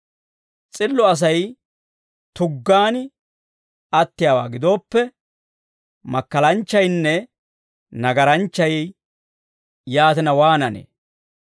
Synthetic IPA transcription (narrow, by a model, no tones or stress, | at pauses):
t͡sʼɪlːɔɐs̬ɐj | t̪ʊɡːaːn | ɐt̪ːɪjaːwa̰ːɡɪd̪o̞ːpːɛ | mɐkːɐlɐnt͡ʃːɐjnːɛ | nɐɡɐɾɐnt͡ʃːɐj | jaːt̪ɪnɐwaːnɐnḛː